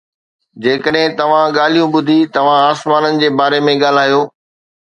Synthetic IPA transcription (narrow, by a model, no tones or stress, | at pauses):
d͡ʑeːkəɗɦɪ̃t̪ɐʋ̤ãɠaːl̤ijũɓʊd̪ʱit̪ɐʋ̤ãaːsmaːnənɪ̆d͡ʑeːbaːɾemẽɠaːl̤aːjoː